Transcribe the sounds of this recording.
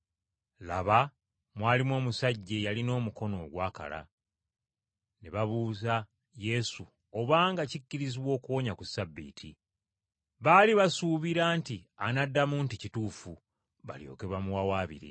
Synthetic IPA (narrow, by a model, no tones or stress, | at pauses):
la̰βa | mwaːlimo̞ːmusaɟːe̞jalino̞ːmuko̞no̞ːɡwaːka̰la̰ | neβaβuːza | je̞su | oβaːŋɡacicːiɾiziβwo̞ːkuwoɲakusabːḭːtʰi | βaːliβasuβiɾaːntianadːamunticituːfu | βa̰ljo̞̰ːke̞βamuwawaːβḭɾḭ